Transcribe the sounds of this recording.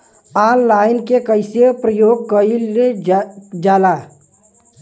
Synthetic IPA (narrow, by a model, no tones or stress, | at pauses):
aːnlaːɪnkekəɪsepɾəjoːɡ̚kəile | d͡ʒaːla